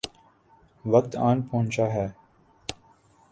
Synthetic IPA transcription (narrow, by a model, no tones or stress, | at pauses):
ʋək̚t̪aːnpəɦʊ̃nt͡ʃaːɦɛː